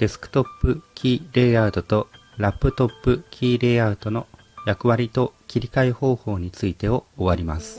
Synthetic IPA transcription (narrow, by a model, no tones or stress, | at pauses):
d̪̥e̞sɨ̥kɯ̥t̪o̞pːɯ̟kʲiːɾe̞ːad̪o̞t̪o̞ | ɾapːɯ̟t̪o̞pːɯ̟kʲʰiːɾe̞ːaɯd̪o̞no̞ | jakɯ̟βaɾʲit̪o̞kʲiɾʲikaiho̞ːho̞ːɲ̟it͡sɨit̪e̞o̞ːβaɾʲima̰sɨ̥